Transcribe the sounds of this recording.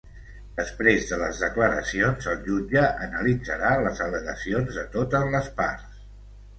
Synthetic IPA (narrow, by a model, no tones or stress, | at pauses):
d̪̥əspɾezðələ̰zðəkləɾə̰sionzəlˠʒud͡ʒəʔənəlid͡zəɾaləzələɣəsionzðət̪ot̪əzləspa̰ɾs